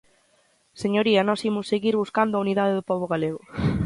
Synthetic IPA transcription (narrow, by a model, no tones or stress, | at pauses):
seɲoɾiɐnɔsimʊsːeɣiɾβuskand̪ʊauniðaðeðʊpɔβ̞oɣaleɣ̞ʊ